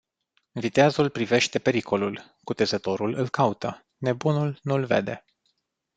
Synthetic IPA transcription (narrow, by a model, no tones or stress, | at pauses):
vit̪eazulpɾive̞ʃt̪e̞pe̞ɾikʰo̞lul | kut̪e̞zət̪o̞ɾulɨlkaut̪ə | ne̞bunulnulve̞̰d̪e̞̰